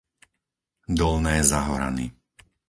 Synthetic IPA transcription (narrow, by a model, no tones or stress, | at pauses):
d̪ɔlnɛːzaɦɔɾa̰nḭ